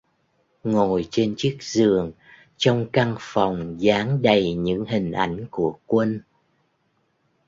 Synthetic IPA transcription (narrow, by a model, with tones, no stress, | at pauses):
ŋo˨˩jt͡ɕe˧nt͡ɕi˦˥ək̚zɨ˨˩əŋ | t͡ɕɔ˧wŋ͡mka˧ŋfɔ˨˩wŋ͡mzaː˨˦ŋɗə˨˩jɲɨ̰˧˥ŋɦï˨˩ŋ̟ʔa̰˧˩jŋ̟ku˧˩əkwə˧n